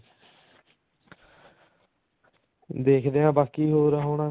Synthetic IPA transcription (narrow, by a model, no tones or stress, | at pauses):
d̪eːkʰd̪eːãːbaːkiːɦoːɾəɦoːnãː